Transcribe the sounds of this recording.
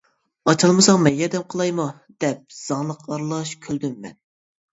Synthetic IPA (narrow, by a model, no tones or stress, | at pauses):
ɑt͡ʃʰɑlˠmɨsɑŋmɛjːɛd̪ɛmqʰəlˠɑjmu | d̪̥ɛp̚z̥ɑŋlˠəqʰɑɾlˠɑʃkʲʰøld̪ymːɛ̰n